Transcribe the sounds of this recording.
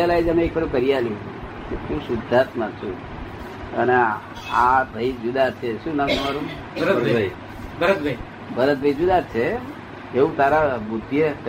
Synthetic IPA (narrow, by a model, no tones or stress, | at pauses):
alajd͡ʒəmeekʋəɾũkəɾialju | ket̪ũsud̪ʱːat̪mat͡ʃʰũ | əne | aɾəid͡ʒud̪at͡ʃʰeʃũnaməmaɾũ | bəɾəəɾbʱəi | bəɾət̪bʱəi | bəɾət̪̚bʱəid͡ʒud̪at͡ʃʰeː | ũt̪aɾabud̪jək